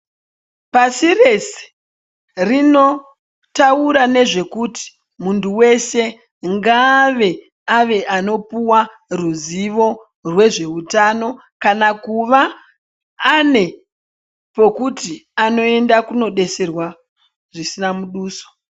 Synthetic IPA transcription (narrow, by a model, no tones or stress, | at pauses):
pasire̞se̥ | rino̞ | tauɾane̞ʐe̞kuti̥ | muntuwe̞se̞ | ŋɡaʋe̞ | aʋe̞ʔano̞puwa | ruziʋo̞ | rwe̞ʐe̞utano̞ | kanakuʋaː | ne̞ | po̞kutiano̞e̞ndakuno̞ɗe̞se̞rwa | ʐisinamuɗuːso̥